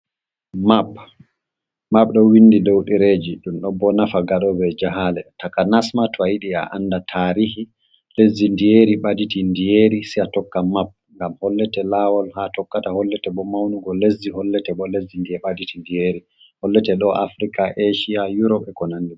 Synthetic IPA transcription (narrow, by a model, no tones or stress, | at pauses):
map | map̚ɗɔwindidowɗiɾed͡ʒiɗumɗɔbɔnafaɡaɗɔbɛd͡ʒaɦalɛtakanasmatɔajiɗia̰ʔa̰nːdatʰaɾihi | lezːindijeɾiɓaditindijeɾisiatɔkːamap̚ŋɡamhɔlːɛtɛlawɔlhatɔkːatahɔlːɛtɛɓɔmawnuɡɔlezːihɔlːɛtɛɓɔlezːindiɛɓaditindijeɾi | hɔlːɛtɛɗɔʔafɾikaʔeʃiajuɾɔpɛkɔnanːi